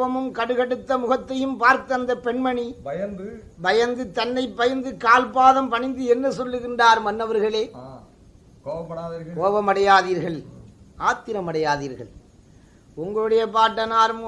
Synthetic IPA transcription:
ʋɐmɯmkɐɽɯɣɐɽɯt̪ːɐmʊɣɐt̪ːɐjɯmpaːɾt̪ɐɐnd̪ɐpɛɳmɐɳijɐ | bɐjɐnd̪ɯt̪ːɐnːɐɪpːɐjɐnd̪ɯkaːlpaːðɐmpɐɳɪnd̪ɯɛnːɐsɔlːɯɣɪɳdaːɾɯmɐnːɐʋɐɾɣɐɭeː | kːɐkkoːʋɐmɐɽɐjaːðiːɾɣɐɭ | aːt̪ːɪɾɐmɐɽɐjaːðḭːɾɣɐ̰ɭ | ʊŋɡɐɭɯɽɐjɐpaːʈːɐnaːɾɯm

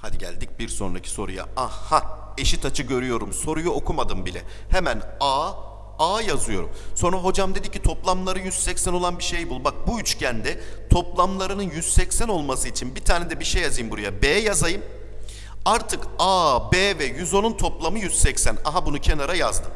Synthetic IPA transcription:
had̪iɟæ̰lʲd̪ic̚biɾso̞̰nɾa̰cʰi̥so̞̰ɾuja̰ahae̞ʃit̪ʰat͡ʃʰɯɟø̞ɾyjo̞ɾumso̞ɾujuo̞kʰumad̪ɯmbilʲɛ̰ | hemænaː | aːjazɯjo̞̰ɾumso̞nɾaɦo̞d͡ʒamd̪e̞d̪icʰit̪ʰo̞plˠamlˠaɾɯjyz̥sɛcsæno̞lˠanbiʃe̞jbulˠbak̚buyt͡ʃcʰænd̪ɛt̪ʰo̞plˠamlˠaɾɯnɯnjyz̥sɛcsæno̞lˠmasɯit͡ʃʰinbit̪ʰaːned̪ɛbiʃejazajɯmbuɾajabeːjazajɯm | aɾt̪ʰɯkaːbeːvɛjyzo̞nunt̪ʰo̞plˠamɯjyz̥sɛcsænaɦabunucʰe̞naɾajazd̪ɯm

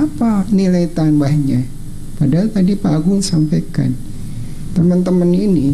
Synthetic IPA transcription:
apanilajt̪anbahɲa | padalt̪adipaɡʊŋsampajka̰n | t̪əmənt̪əmənini

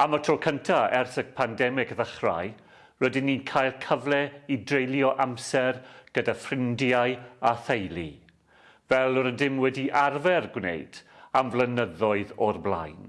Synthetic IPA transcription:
amətʰrɔkʰəntʰaɛrθək̚pʰandɛmɪɡðəχra̰j | rədɪnːikʰajlˠkʰəvlˠɛidrejlˠjɔʔamsɛrɡ̥ədafrɪndjaɨaθejlˠi | vɛlˠɔɾədɪmwɛdiʔarvɛrɡwnḛjd̥amvlənəðɔɨðɔrblˠa̰jn

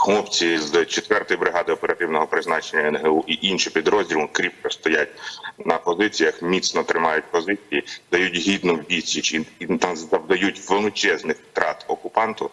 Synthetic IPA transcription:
xlˠɔpt͡sʲizt͡ʃet̪ʋɛrt̪ɔjibɾɪɦɑd̪ɪɔpeɾɐt̪ɪwnɔɦɔpɾɪznɑt͡ʃenʲɐɛnɦeuʔiʔinʃɪpʲid̪ɾɔzʲdʲilˠʊkɾʲip̚pɔst̪ɔjat̚ʲnɐpɔzɪt͡sʲijɐxmʲit̪snɔt̪ɾɪmɑjʊt̚ʲpɔzɪt͡sʲijid̪̥ɐjutʲɦʲid̪nʊwʋʲisʲit͡ʃiit̪zd̪ɐwd̪ɐjutʲʋelˠɪt͡ʃɛznɪxt̪ɾɑt̪ɔkʊpɑnt̪ʊ

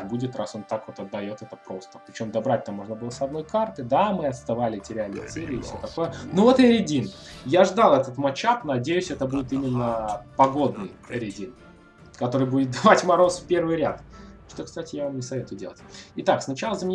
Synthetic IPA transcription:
budʲɪt̪raso̞nt̪akvot̪ɐd̪ːɐjo̞t̪ɛt̪əpɾo̞st̪ə̥pɾʲɪt͡ɕo̞md̪ɐbɾat̚ʲt̪amːo̞ʐnəbɨlˠəsɐd̪no̞jkart̪ɨd̪amɨɐt̪st̪ɐvalʲɪtʲɪɾʲælʲɪt̪sɛlʲɪːfsʲot̪ɐko̞jənuvot̪ɨɾʲɪdʲinjaʐd̪alˠɛt̪ət̪mɐt͡ɕat̪nɐdʲejʉsʲɛt̪əbudʲɪt̪imʲɪnːəpɐɡo̞d̪nɨjəɾʲɪdʲin | kɐt̪o̞ɾɨjbudʲɪt̪̚d̪ɐvatʲmɐɾo̞sfpʲe̞rvɨjɾʲat̪ʂt̪okst̪atʲɪjavamnʲɪsɐvʲe̞t̪ʊjʊdʲe̞lˠətʲɪt̪aksnɐt͡ɕalˠəzəmʲɪ

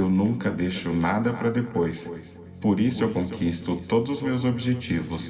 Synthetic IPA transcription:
ewnũŋkɐd̪ejʃʊnad̪ɐpɾɐd̪epojs | poɾisʊewkõkʰist̪ʊt̪od̪ʊzʊzmewzobiʒet͡ʃivʊs

